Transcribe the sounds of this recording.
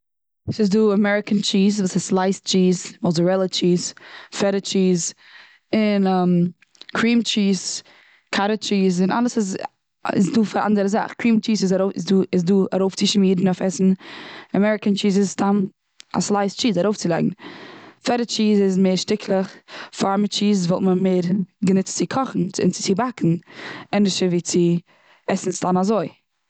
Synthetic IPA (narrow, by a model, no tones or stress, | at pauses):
sɪzduːamɛɹɪkənt͡ʃiːzvuːsaslˠaɪst͡ʃiːzmɔzəɹɛlˠət͡ʃiːzfɛɾət͡ʃiːz | ɪnɛm | kʰɹiːmt͡ʃiːz | kʰaɾət͡ʃiːzɪna̰lˠəsɪz | ɪ̰sduːfaɾa̰ndəɾəza̰χkʰɹiːmt͡ʃiːzɪzaɾoɪsduːɪzduːa̰ɾoʊft͡sɪʃmiːdn̩ɔfɛsn̩amɛɾɪkənt͡ʃiːzɪzstan | a̰slˠaɪst͡ʃiːzaɾoʊft͡sɪlˠɛ̰ɡŋ̩fɛɾət͡ʃiːzɪzmeɪːɾʃtɪkʰlˠəχfamət͡ʃiːzvɔlˠtməmeːɾɡənɪt͡st͡sɪkʰɔχn̩t͡sɪ̰nt͡sɪ̥t͡siːbakʰn̩ɛnɪʃəɾviːt͡sɪ | ɛsn̩stanazoɪ